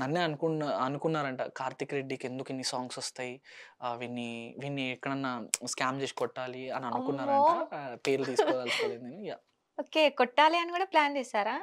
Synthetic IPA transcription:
nɐnːeːɐnukunɐnukunːaːɾɐɳʈɐkaːɾt̪ikɾeɖːiːkend̪ukinːisaːŋɡsost̪aːjiʋinːiʋinːiɛkːɐɳɐnːɐskaːmd͡ʒet͡ʃkɔʈːaːliɐnːuɐnukunːaːɾɐpeːɾld̪iːskod̪ɐlɐlend̪inujaː | oːkekɔʈːaːliɐnukuːɽɐplaːnd͡ʒeːsaːɾaː

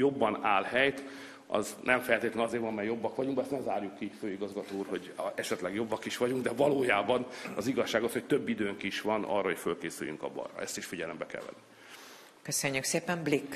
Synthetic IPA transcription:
jo̞bːɒnaːlɦɛjt̪ | ɒ̰znʔɛɱfɛlt̪eːt̪lɛnɒzeːɾvɒnɒmɛjːjo̞bːɒkʋɒɟuŋbɛst̪nɛzaːrjukːiføːiɡɒzɡɒt̪oːuːrho̞ɟɛʃɛt̪lɛɡjo̞bːɒkiʃʋɒɟuŋɡd̪ɛvɒloːjaːbɒnɒziɡɒʃːaːɡo̞shoct̪ø̞bːid̪øːŋkiiʃʋɒnɒ̰rːɒocfølkeːsy̰jy̰ŋkɒ̰bɒ̰rɒ̰ɛst̪iʃfiɟɛlɛmbɛkɛ̰lʋɛ̰nːi | køsøɲːykseːpɛmblikː

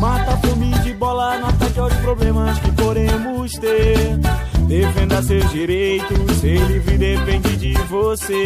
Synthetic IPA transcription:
mat̪ɐpomĩd͡ʒɪbɔlɐnat̪ɛkawspɾoblẽmɐskɪpod̪ẽmʊst̪e | d̪efẽnd̪ɐsewzd͡ʒiɾejt̪ʊselivɾid̪epẽnd͡ʒɪd͡ʒɪvose

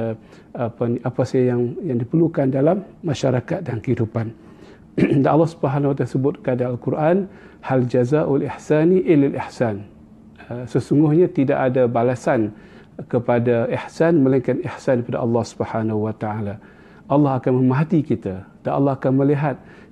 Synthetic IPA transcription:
apanʔapasajajaŋjaŋdipərlukandalamːaʃaɾakat̪̚dankəhidupan | danɑlːɑhsubəɦanahuwat̪asəbʊt̪̚kadaːlkuɾʔan | hald͡ʒazaʔwaliħsaniʔilalʔiħsan | əsəsuŋɡʊhɲãt̪ida̰ʔadabalasan | kəpadaiħsanməlaŋkanihsankəpada̰ʔɑlːɑhsu̥bəhanahuwat̪aala | ʔɑlːɑhakanmə̃maɦat̪ikit̪ad̥anʔɑ̰lːɑhakanməliɦat̪̚

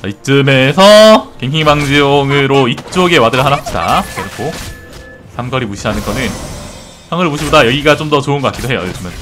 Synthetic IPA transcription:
ait͡ɕ͈ɯme̞sʰʌkeŋkʰiŋmaŋd͡ʑioŋɯɾoit͡ɕ͈oɡe̞wadɯɭɦanɦap̚ɕ͈ida̰eɾɯkʰo | sʰaŋɡʌɾimuɕʰiɦanɯnɡʌnɯn | sʰaŋɯɾɯmuɕʰibodajʌɡiɡat͡ɕ͈omdʌt͡ɕoɯnɡʌkak͈idoɦe̞jo̰jod͡ʑɯmɯn

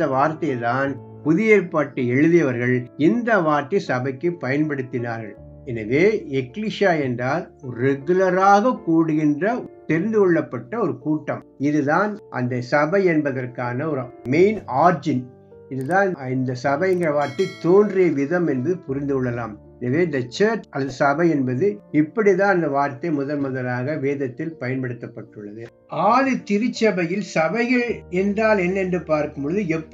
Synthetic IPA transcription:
d̪ɐʋaːɾt̪ɐjt̪aːn | pʊðɪjeːɾpaːʈːɐɛɻɯðɪjɐʋɐɾɣɐɭɪnd̪ɐʋaːɾt̪ɐsɐbɐɪkːɯpɐjɐnpɐɽɯt̪ːɪnaːɾɣɐ̰ɭ | ɛnɐʋeːɛkɪliʂjaːɛndraːl | ɾɛɣɯlɐɾaːɣɐkuːɽɯɣɪndrɐt̪ɛɾɪnd̪ɯkɔɭːɐpːɐʈːɐɔɾɯkuːʈːɐm | ɪðɯðaːnʔɐ̰nd̪ɐsɐbɐɪɛnbɐðɐrkaːnɐɔɾɯmeɪnaːɾd͡ʒɪn | ɪðɯðãːɪnd̪ɐsɐbɐɪɛŋɡɐɾɐʋaːɾt̪ɐɪt̪oːndrɪjɐʋɪðɐmɛnbɐðɯpʊɾɪnd̪ɯɔɭːɐlaːm | ɛnɐʋeːɪnd̪ɐt͡ʃɐːɾt͡ʃɐsɐbɐɪɛnbɐðɯɪpːɐɽiðãːnɐnd̪ɐʋaːɾt̪ɐɪmʊðɐlmʊðɐlaːɣɐʋeːðɐt̪ːɪlpɐjɐnpɐɽɯt̪ːɐpːɐʈːɯɭːɐðɯ | aːlɯt̪ɪɾɯt͡ʃːɐbɐjɪlsɐbɐɪɣɐɭɛndraːlɛnːɛndrɯpaːɾkɯmbɯɭɯðɯɛpː

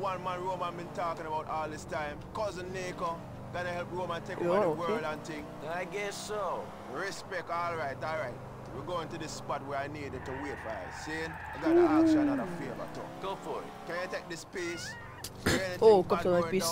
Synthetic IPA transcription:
wãnmãnɹoːmãnbĩntɔkɪ̃ŋəbaʊtɔːlˠðɪstãɪ̃mkɔzə̃nːeko | ɡʌnəhɛlp̚ɹoːmãntekɔowɜɹlãntɪ̃ŋ | aɪɡɛso | ɹɪspɛk̚tɔːlɹaɪtɔːlɹaɪt̚ | wiɡoːɪ̃ntuðɪsːpɔt̚wɛɹaɪniːdɨ̃ntuweːtfasẽn | aɡɔnəakʃanaɾəfiba̰to̰kofɔ̰ | kãnjatek̚dɪspeːs | ɛniokɔsɔ̃api

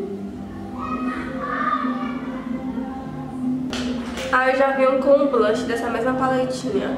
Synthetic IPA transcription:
aiʒavejũkõũblɐ̃ʃɪd̪ɛsɐmezmɐpalẽt͡ʃĩɲɐ̰

